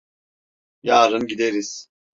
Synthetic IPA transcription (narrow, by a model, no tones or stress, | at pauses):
jaːɾɯnɟid̪eɾiz̥